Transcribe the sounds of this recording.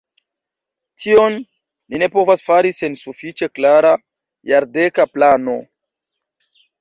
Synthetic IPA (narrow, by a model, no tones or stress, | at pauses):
tʰio̞nː | ine̞po̞vasfaɾise̞nsufit͡ʃe̞klaɾa | jaɾde̞kaplano̞̰